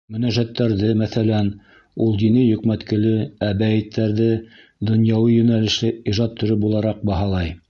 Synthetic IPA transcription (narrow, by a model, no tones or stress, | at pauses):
mɵ̆næʒæt̪ːæɾðɘmæθælæn | ulˠd̪inijɵ̆kmæt̪kɘ̆lɘæbæjɘt̪ʰːæɾðɘ | d̪ŏnjɑwɤjɵ̆nælɘ̆ʃlɘiʒɑt̪ʰːɵ̆ɾɵp̚bulˠɑɾɑq̚bɑɦɑlˠɑj